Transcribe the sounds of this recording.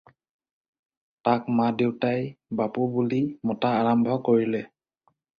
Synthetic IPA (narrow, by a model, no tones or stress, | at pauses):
takmadewtajbapubulimɔtaːɹambʱɔkoɹilɛ